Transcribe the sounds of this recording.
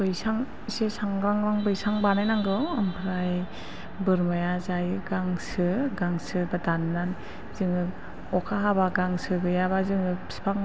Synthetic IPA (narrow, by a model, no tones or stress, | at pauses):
bɯjsaŋ | sesaŋɡɾaŋɾaŋbɯjsaŋbanajnaŋɡɯampʰɾaj | bɯɾmajazajɯɡaŋsɯɡaŋsɯbadanːan | zɯŋɯ | ɔkʰaɦabaɡaŋsɯɡɯjaβazɯŋɯ̥spʰaŋ